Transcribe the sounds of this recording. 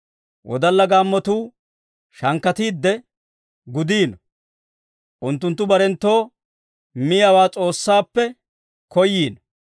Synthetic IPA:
wʔɔ̰d̪ɐlːɐɡaːmːɔt̪uː | ʃɐŋkːɐt̪iːd̪ːɛ | ɡʊd̪iːn | ʔʊnt̪ːʊnt̪ːʊbɐɾɛnt̪ːo̞ː | mɪjaɐwaːt͡sʼo̞ːsːaːpːɛ | kɔjːiːn

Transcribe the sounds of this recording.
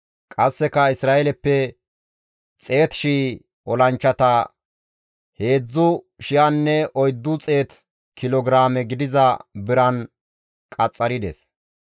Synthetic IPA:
kʼɐsːɛkɐɪsɾaːjɛlɛpːɛ | t͡sʼe̞ːt̪ʃiː | ʔɔlɐnt͡ʃːɐt̪ɐ | he̞ːd͡zːʊ | ʃɪjɐnːɛʔɔjd̪ːʊt͡sʼe̞ːt̪ | kɪlɔɡɾaːmɛɡɪd̪ɪzɐbɪɾɐn | kʼɐt͡sʼːɐɾɪd̪ɛ̰s

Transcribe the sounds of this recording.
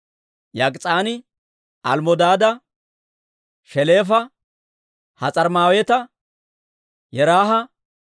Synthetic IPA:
jɐkʼt͡sʼaːnɪ | ʔɐlmɔd̪aːd̪ɐ | ʃɛleːfɐ | hɐt͡sʼɐɾmaːwet̪ɐ | jɛɾaːɦɐ

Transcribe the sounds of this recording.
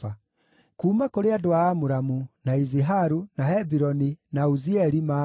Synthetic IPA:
a | kuːmakoɾeadoaːmuɾamunaiziɦaɾunahɛbiɾɔninauziɛɾima

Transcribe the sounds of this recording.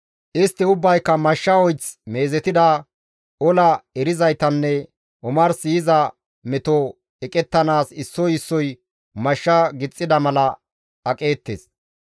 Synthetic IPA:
ʔɪst̪ːɪʊbːɐjkːɐmɐʃːɐɔjt͡sme̞ːzɛt̪ɪd̪ɐ | ɔlɐɛɾɪzɐjt̪ɐnːɛ | ʔɔmɐɾsiːɪzɐ | mɛt̪ɔ | ɛkʼɛt̪ːɐnaːsɪsːɔjɪsːɔj | mɐʃːɐɡɪt͡sʼːɪd̪ɐmɐlɐ | ɐkʼe̞ːt̪ːḛːs

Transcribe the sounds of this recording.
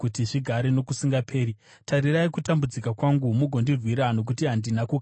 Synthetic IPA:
kutiʐiɡʱaɾeno̞kusiŋɡapʰe̞ːɾi | taɾiraikutambud͡zikakwaŋɡumuɡʱo̞ndirwiɾano̞k̬utiɦandinakoka

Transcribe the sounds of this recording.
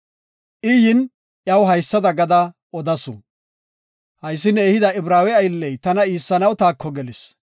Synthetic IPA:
ʔɪjɪn | jɐwɦɐjsːɐd̪ɐɡɐd̪ɐ | ɔd̪ɐsʊ̰ | hɐjsːɪnɛeːhɪd̪ɐɪbɾaːwɛɐjɪlːɛjt̪ɐnɐiːsːɐnɐwt̪aːkʰːɔɡɛlɪs

